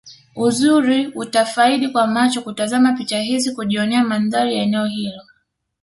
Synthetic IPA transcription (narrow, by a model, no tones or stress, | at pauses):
uzuɾiutafaiɗikwamat͡ʃɔkutazamapit͡ʃaɦizikuʄiɔnɛamanðaɾijaɛnɛɔhilɔ